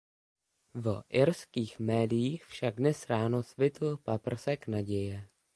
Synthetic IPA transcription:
vʔɪɾskiːxmɛːdɪjiːxfʃaɡ̚dnɛsɾaːnosvɪt̪̩papr̩sɛknaɟɛjɛ

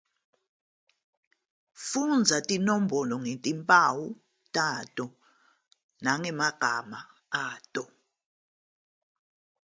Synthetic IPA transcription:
fund͡zʱatʼinɔm̩bʱɔlɔŋentʼimpʼawu | tʼatʼɔ | naŋɛmaɡ̥ʱama | aːtʼɔ

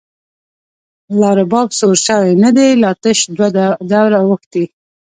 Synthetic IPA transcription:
lɑɾabɑbsoɾʃawenad̪elɑt̪əʃd̪wad̪awɾawəxt̪i

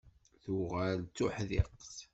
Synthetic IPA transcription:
θʊʁælt͡sːʊħðɪ̰qθ

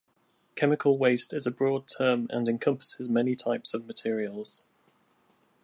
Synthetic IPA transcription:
kʰɛmɪkʰəlˠweɪstɪzəbɹɔːd̚tʰɜːmə̰̃nɪ̃nkʰʌ̃mpə̥sɪzmɛnɪtʰaɪpsəvmətʰɪəɹiəlˠz̥

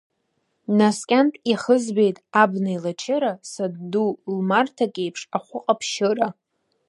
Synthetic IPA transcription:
naskʲʼantʼiχəzbe̞jtʼabnailat͡ʃʰɪɾasaddulmartʰakʲʼejpʰʂaχʷʊqʼapʰʃɪɾa

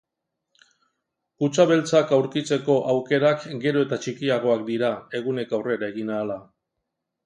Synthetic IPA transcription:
ut͡saβe̞lt͡sakawɾkit͡se̞ko̞ʔawke̞ɾakɡe̞ɾo̞e̞t̪at͡ʃikiaɣ̞o̞ak̚d̪iɾae̞ɣune̞kawre̞ɾae̞ɣinaːla

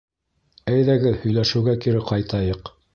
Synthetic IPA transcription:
æjðæɡɘðhɵ̆jlæʃɘ̆wɡækiɾɘqɑjt̪ɑjɤq

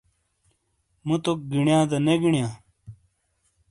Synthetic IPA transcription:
mut̪ok̚ɡiɳjãːd̪ɐneɡiɳja

